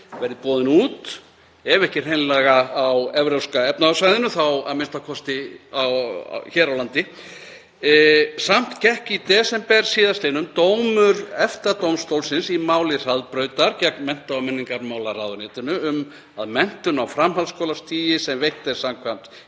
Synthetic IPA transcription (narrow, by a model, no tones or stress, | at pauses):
vɛɾɪpɔːðɪnuːt̪ | ɛvɛhcɪr̥ejnlɛːɣaːwɛvɾœwskaɛpnasajðɪnʏθawa̰mɪnst̪akʰɔst̪ɪa̰w̰çɛːɾawlant̪ɪ | sam̥t̪cɛhkit̪ɛsɛmpɛɾ̥siːðaslejnʏmt̪oːwmʏɾɛft̪at̪owmst̪owlsɪnsimaːwlɪr̥aðpɾœːɥt̪aɾcɛknmɛn̥t̪awmɛnːiŋkaɾmaːwlaraːðʏɾnɪːt̪ɪnʏʏm | aðmɛn̥t̪ʏnawfɾamɦalskowlast̪ʰiːjɪsɛmvejht̪ɛ̥samkʰvam̥t̪